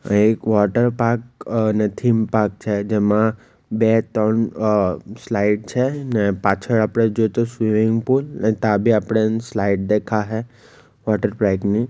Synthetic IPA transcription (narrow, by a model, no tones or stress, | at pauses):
ekʋɔʈəɾpaːɾknet̪ʰimpaːk̚t͡ʃʰɛd͡ʒɛmã | bɛt̪ɔn | slaɪɖ̚t͡ʃʰɛnɛpaːt͡ʃʰəɽaːpɽ̃ed͡ʒot̪osʋimɪ̃ŋɡpuːlnɛt̪ãbʱiapɽ̃enslaɪʈ̚d̪ekʰaɦɛ | ʋɔʈəɾpɾakni